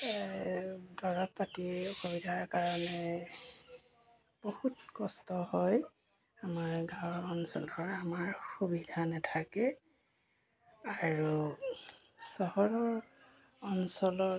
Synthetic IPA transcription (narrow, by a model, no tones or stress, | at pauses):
dɔɹɔppatiɔxobidʱaɹkaɹɔnɛ | b̥ohutkɔstɔhɔj | amaɹɡãɔnsɔ̰lɔɹamaɹxubidʱanɛtʰakɛ | aɹu | sɔhɔɹɔɹ | ɔnsɔlɔ